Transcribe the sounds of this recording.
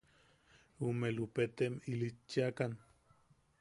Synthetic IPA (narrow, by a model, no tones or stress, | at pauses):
umelupet̪emilit͡ʃːiakan